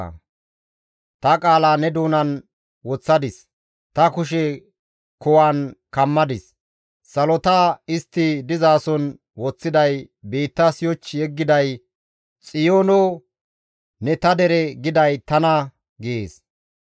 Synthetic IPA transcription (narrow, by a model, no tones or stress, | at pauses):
t̪ɐkʼaːlaːnɛd̪uːnɐn | wɔt͡sːɐd̪ɪs | t̪ɐkʊʃɛ | kɔwaːnkɐmːɐd̪ɪs | sɐlɔt̪aɪst̪ːɪd̪ɪzaːsɔn | wɔt͡sːɪd̪ɐj | beːt̪ːɐsɪjɔt͡ʃːɪjɛɡːɪd̪ɐj | t͡sʼɪjoːnɔ | nɛt̪ɐd̪ɛɾɛɡɪd̪ɐjt̪ɐnɐ | ɡɪeːs